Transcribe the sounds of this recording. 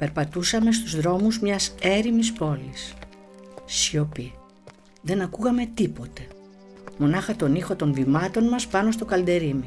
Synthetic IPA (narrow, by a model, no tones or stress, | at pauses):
pe̞ɾpɐt̪usɐme̞st̪uzðɾo̞muzmɲɐse̞ɾimispo̞lis | çopi | ðe̞nɐkuɣɐme̞t̪ipo̞t̪e̞ | mo̞nɐxɐt̪o̞nixo̞t̪o̞nvimɐt̪o̞nmɐspɐno̞st̪o̞kɐld̪e̞ɾimi